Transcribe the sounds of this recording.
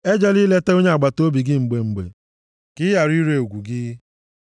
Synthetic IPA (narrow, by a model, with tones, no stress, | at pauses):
e˦d͡ʒɛ˦li˦le˦te˦o˦ɲe˦a˨ɡ͡ba˨to˦bi˨ɡɪ˦ŋ͡m̩˨ɡ͡be˨ŋ͡m̩˨ɡ͡bḛ˨ | kɪ˦ja˨ɾi˦ɾe˨o˨ɡʷu˨ɡɪ˦